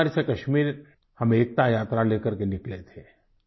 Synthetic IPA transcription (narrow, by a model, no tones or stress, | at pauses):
ɾisekɐʃmiːɾ | hɐmeːk̚t̪ajaːt̪ɾaleːkəɾkenɪklet̪ʰeː